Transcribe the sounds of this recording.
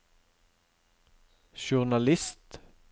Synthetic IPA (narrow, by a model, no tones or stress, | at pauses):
ʃʊʁnɑlɪst̪